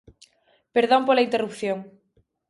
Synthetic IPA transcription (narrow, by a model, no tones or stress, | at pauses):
peɾðompolaint̪erupθjoŋ